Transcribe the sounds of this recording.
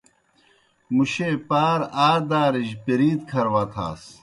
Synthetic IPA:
muɕepaːɾaːɾd̪aːɾiʑpiɾiːt̪kʰɐɾwaːt̪ʰa̰ːs

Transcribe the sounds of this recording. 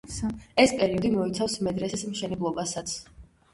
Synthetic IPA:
ɛspʼɛɾiɔd̪imɔit̪sʰafsmɛd̪ɾɛsɛsmʃɛnɛblˠɔbasat̪sʰ

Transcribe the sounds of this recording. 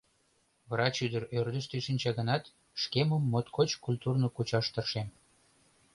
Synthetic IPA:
vrɑt͡ɕyd̪əɾørd̪əʃt̪eʃinʲt͡ɕɑɣənɑt̪ | ʃkeməmːot̪kʰot͡ɕkulʲt̪urnokut͡ɕɑʃt̪ərʃem

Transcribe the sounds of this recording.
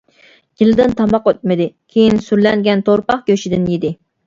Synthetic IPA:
ɡ̥ʲilɪd̪ɪnt̪ʰɑmɑqøt̪̚mɪd̪ɪkʲʰejinsyɾlɛŋɡʲɛnt̪ʰoɾpɑχɡ̥ʲøʃid̪ɪnjid̪ɪ

